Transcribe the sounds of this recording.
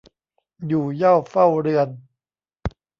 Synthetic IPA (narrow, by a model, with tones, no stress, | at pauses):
juː˨˩ja˥˩wfa˥˩wɾɯ˧ən